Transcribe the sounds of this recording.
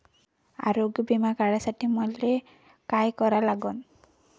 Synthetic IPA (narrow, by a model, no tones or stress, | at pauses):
a̰ɾoɡjbimakaɽasaʈimɔle | kajkɔɾalaɡɔn